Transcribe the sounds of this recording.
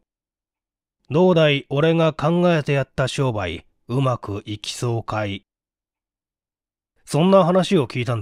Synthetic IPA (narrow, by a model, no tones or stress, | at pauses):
d̪o̞ːd̪aiʔo̞ɾe̞ŋakãŋɡae̞t̪e̞jat̪ːaɕo̞ːbaḭ | ɯ̟makɯ̟ʔikʲi̥so̞ːkai | sõ̞nːaɦanaɕio̞kʲiːt̪ãnd̪